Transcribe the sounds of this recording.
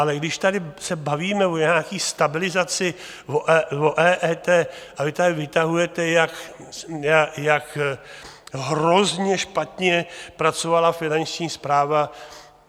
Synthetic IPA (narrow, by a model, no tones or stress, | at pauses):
ʔalɛɡdɪʃt̪adɪsɛbaviːmɛvoɲaːkiːst̪abɪlɪzat͡sɪ | voʔvoʔɛːʔɛːt̪ɛːʔavɪt̪adɪvɪt̪aɦujɛt̪ɛjak | jajak | ɦɾozɲɛʃpat̪ɲɛpɾat͡sovalafɪnant͡ʃɲiːspɾaːva